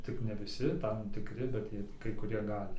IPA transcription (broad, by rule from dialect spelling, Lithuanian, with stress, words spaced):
ˈtʲɪk nʲɛ ʋʲɪˈsʲɪ ˈtɐm tʲɪkˈrʲɪ bʲɛt ˈkɐɪ kʊˈrʲiɛ ˈɡɑːlʲɪ